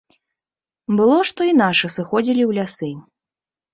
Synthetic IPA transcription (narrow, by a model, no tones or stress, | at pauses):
bɨlˠɔʂt̪ɔinaʂɨsɨxɔd͡zʲilʲiwlʲasɨ